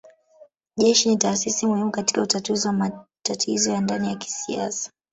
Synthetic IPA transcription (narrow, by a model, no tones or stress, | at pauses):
ʄɛʃinitaːsisimuhimukati̥kautatuziwamatatʰizɔjandanijaki̥sia̰sḁ